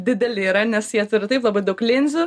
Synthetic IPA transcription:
d̪ʲɪd̪ʲɛlʲɪiːɾɐnʲɛsjiɛt̪ʊɾʲɪt̪ɐɪplˠɐbɐɪd̪ɐʊklʲɪnʲzʲʊ

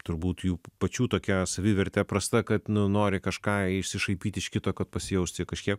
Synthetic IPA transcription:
t̪ʊɾbuːt̪juːpɐt͡ʃʲuːt̪oːkʲɛsɐʋʲiʋʲɛɾʲt̪ʲɛpɾɐst̪ɐkɐt̪nʊnoːɾʲɪkɐʃkɑːɪʃʲsʲɪʃɐɪpʲiːt̪ʲɪʃkʲɪt̪oːkɐt̪̚pɐsʲɪjɛʊsʲt̪ʲɪkɐʃʲkʲiɛp

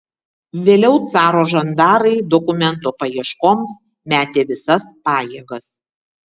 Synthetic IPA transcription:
ʋʲeːlʲɛʊt̪sɑːɾoːʒɐnd̪ɑːɾɐɪd̪ɔkʊmʲɛnˑt̪oːpɐjiɛʃkoːms | mʲæːt̪ʲeːʋʲɪsɐspɑːjeːɡɐs

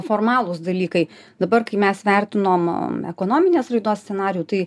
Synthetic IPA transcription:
foːrmɑːlˠʊsd̪ɐlʲiːkɐɪ | d̪ɐbɐrkɐɪmʲɛsʋʲærʲt̪ʲɪnoːmɛkoːnoːmʲɪnʲeːsrɐɪd̪oɔssʲt͡sʲɛnɑːɾʲɪjuːt̪ɐɪ

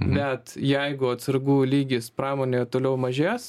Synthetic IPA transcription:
bʲɛt̪jɛɪɡʊɐt̪sɐɾɡuːlʲiːɡʲɪspɾɑːmoːnʲeːt̪oːlʲɛʊmɐʒʲeːs

